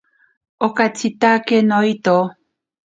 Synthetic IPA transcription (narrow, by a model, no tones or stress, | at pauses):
okat͡sit̪akenoit̪o